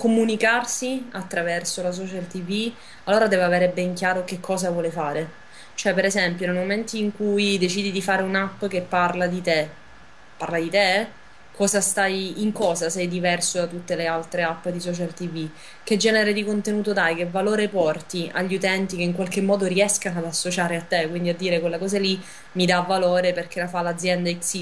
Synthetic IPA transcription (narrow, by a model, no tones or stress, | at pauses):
komunikarsiat̪ːɾavɛrsolas̬ɔːt͡ʃalt̪ivi | alːoːɾad̪ɛːvaveːɾebɛŋkjaːɾokekʰːɔːzavwɔːlefaːɾe | t͡ʃoɛpeɾezɛmpjonejmoment̪iiŋkujd̪et͡ʃiːd̪id̪ifaːɾeunapːk̟epːarlad̪it̪e | pːarlad̪it̪e | kʰɔːzast̪ajiŋkɔːzasɛjd̪ivɛrsod̪at̪ːut̪ːelealt̪ɾeapːd̪isɔt͡ʃalt̪ivi | k̟ed͡ʒːɛːneɾed̪ikont̪enuːt̪ot̪ajkevːaloːɾepɔrt̪ia̰ʎːiut̪ɛnt̪ikeiŋkwalk̟emːɔːd̪oɾiɛskanoad̪asːot͡ʃaːɾeat̪ːekwind̪iad̪ːiːɾekwelːakɔːzali | mid̪aːvːaloːɾeperk̟eɾafalːad̪zːjɛnd̪aiksi